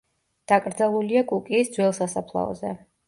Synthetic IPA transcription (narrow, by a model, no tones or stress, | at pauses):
d̪̥akʼɾd̪zalˠuliakʼukʼiːsd̪zwɛlˠsasapʰlˠa̰ɔ̰zɛ